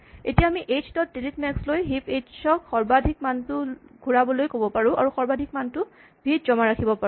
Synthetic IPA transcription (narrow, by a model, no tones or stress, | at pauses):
etijaːmiʔet͡ʃtɔt̚delitmɛkslojɦiped͡ʒsɔkxɔɹbadʱik̚mantʊɡʱuɹabɔlojkobɔpaɹũʔa̰ɹuxɔɹbadʱik̚mantʊ | bʱitzɔmaɹakʰibɔpaũ